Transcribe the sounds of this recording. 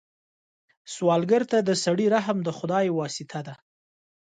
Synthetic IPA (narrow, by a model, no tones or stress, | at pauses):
swɑlɡəɾt̪ad̪əsaɽiɾaɦmd̪əxʊd̪ɑjwɑsɪt̪ʰad̪a